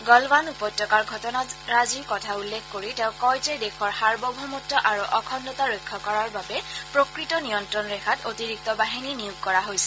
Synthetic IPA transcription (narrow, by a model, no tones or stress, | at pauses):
ɡɔlbanupɔjtːɔkaɹɡʱɔtɔnaɹaziɹkɔtʰaulːekʰkoɹiteʊ̃kɔjtɛdekʰɔɹhaɹbɔbʱɔmɔtːɔʔaɹuʔɔkʰɔndɔtaɹojkʰːɔkɔɹaɹbabɛpɹokɹitɔnijɔntɹɔnɹɛxʰatotiɹik̚tɔbaɦininijuɡ̚kɔɹaɦojsɛ̥